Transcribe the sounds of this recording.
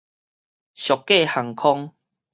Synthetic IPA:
ɕjɔ˨˩kːe˥˨ha˨˩ŋkʰɔ˦ŋ

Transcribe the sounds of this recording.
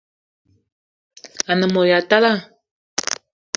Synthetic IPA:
a˨nə˨mo˨ja˨t̪a˦la˦

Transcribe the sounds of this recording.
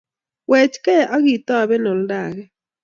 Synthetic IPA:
wɛ˨t͡ʃkɛ˦ʔa˦ɣi˦˨t̪a˦˨βɛ˦nɔ˨lda˨ɣɛ˦

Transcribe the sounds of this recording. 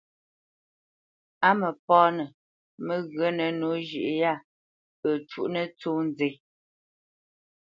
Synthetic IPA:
a˦mə˨pɔː˦nə˨ | mə˦ɣɰə˦nə˨no˨˦ʒi˨ʔja˦˨ | pə˨t͡ʃṵ˦ʔnə˦t͡soː˦n˦d͡ze˨˦

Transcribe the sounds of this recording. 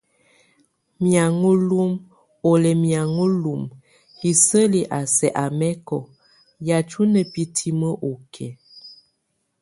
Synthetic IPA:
mja˨ŋo˦lu˦m | o˨lɛ˨mja˨ŋo˦lu˨m | i˨sə˦li˨ʔa˨sɛ˨ʔa˨mɛ˦kɔ˨ | ja˨t͡ʃu˦nə˨pi˦tʰi˦mə˦ʔo˨kʰɛ˨

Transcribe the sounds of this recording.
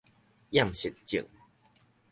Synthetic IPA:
ja˥˨mɕi˨˩t̚t͡ɕḭ˨ŋ

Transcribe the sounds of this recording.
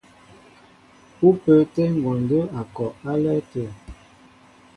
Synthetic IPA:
u˦pə˦tɛ˦ŋ˨ɡɔ˨ndə˦a˨kɔ˨a˦lɛ˦tə˨

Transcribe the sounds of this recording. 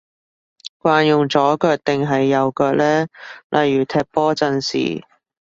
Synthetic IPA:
kʷaː˧njʊ˨ŋt͡sɔː˨˥kœː˧k̚t̪ɪ˨˩ŋɦɐ˨jːɐ˨˧wkœː˧k̚lɛː˥lʔɐ˨jːyː˨˩t̪ʰɛː˧p̚pɔː˥t͡sɐ˧nsḭː˨˩

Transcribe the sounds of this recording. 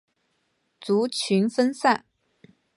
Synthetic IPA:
t͡su˧˥t͡ɕʰy˧˥nfə˥nsa˥˩n

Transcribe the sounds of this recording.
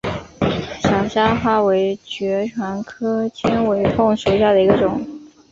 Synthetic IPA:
ɕjɑ˨˩ʊɕja˥xwa˥˩we˧˥ɪt͡ɕɥɛ˧˥ʈ͡ʂʰwa˧˥nkʰɤ˥t͡ɕʰɛ˥nwe˧˥ɪfʊ˥˩ŋʂu˨˩˥ɕja˥˩d̪ə˩i˧˥ɡə˧ʈ͡ʂʊ˨˩˦ŋ

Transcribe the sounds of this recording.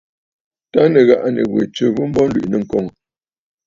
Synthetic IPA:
ta˦nə˨ɣa˦˨ʔa˦nə̰˨ɣwḛ˨t͡sə˦vu˦m̩˦bɔ˦n˦lwi˨ʔnə˨ŋ̩˨kɔ˦˨ŋ˨

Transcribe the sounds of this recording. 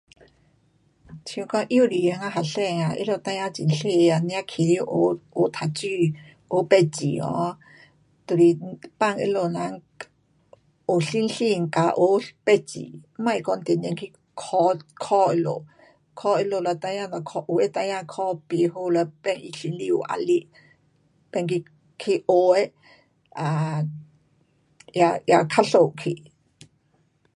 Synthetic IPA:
t͡ɕʰũ˧kɔ˧˦ʔi˦˧˥li˨a˧˦ŋa˧ɦa˨˩ɬɛ˥˧˨ŋa˨ʔḛ˦lo˧˨t̪ã˧ja˦˧t͡ɕḭ˨nɬe˥˧a˧˩nj̃ã˦kʰi˨lji˧˦˨ʔo˨˦o˨˦t̪ʰa˨t͡ɕy˧ | ʔo˨˦pɛ˧t͡ɕḭ˨ɔ̰˧˦ | t̪o˨li˨pa˥˧˨ŋḛ˧˦lo˧˨na˧˦ŋ | o˨˩ɬi˦nɬi˧˨ŋka˨ʔo˨˦pɛ˧˨t͡ɕḭ˨mã˧˨i˧˨kɔ˧nt̪ɛ˨n˧ɛ̃˧ŋkʰi˧ | kʰɔkʰɔ˦ʔi˧lo̰˨ | kʰɔ˦ʔi˧lo˧la˧t̪a˧jã˧na˨kʰɔ˧ʔu˧e˦t̪a˧ja˧kʰɔ˦pi˧ɦu˦la˧pɛ˧ŋi˧ɬi˧li˧ṵ˧ʔa̰˨li˦ʔ | pe˧ŋki˧ | kʰi˧ʔo˧e˦ | a˨ | jaja˨kʰaɬo˨ʔkʰi˨ʔ

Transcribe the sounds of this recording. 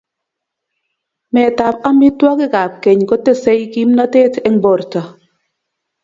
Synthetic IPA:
mɛ˨ta˨p̚a˦mbi˦twa˦kɪ˦ka˨p̚ke˨ɲkɔ˦te˦sɛ˦jki˦mna˦tɛ˦tɛ˦ŋbɔ˨ɾta˨

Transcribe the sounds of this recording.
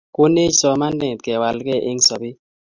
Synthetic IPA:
ko˦ne˦sɔ˨ma˦ndɛ˨t̪̚kɛ˨wa˨lkɛ˦˨ʔe˦ŋsɔ˨bɪ˦

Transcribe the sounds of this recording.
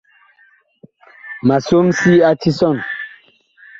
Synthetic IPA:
ma˨so˦msi˦a˦ti˦sɔ˦˨n

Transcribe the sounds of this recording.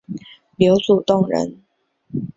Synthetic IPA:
ljo˧˥ʊt͡su˨˩t̪ʊ˥˩ŋɻə̰˧˦n

